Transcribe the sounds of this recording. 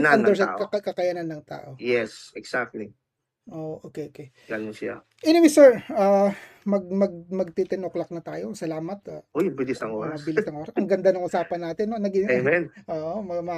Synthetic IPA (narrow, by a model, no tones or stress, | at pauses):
naɐnd̪ɛɾsakɐkkɐkɐjɐnanːɐŋt̪a̰ːʔo̞jɛsɛksak̚t̪li | ʔoːʔʔoːkɛʔoːke | ɡanʊsɪa̰ | ʔɛnɪmisɛɹamɐɡ̚mɐɡ̚mɐɡ̚t̪it̪ɪnoklɐk̚nɐt̪aːjo̞sɐlaːmɐt̪aʔojbɪlɪsɐŋʔoːmɐbɪlɪst̪ɐŋʔoɾɐɐŋɡɐnd̪anɐŋʔʊsaːpɐnːaːt̪ɪnːonɐɡiɛmɛnʔoːʔomɐmɐ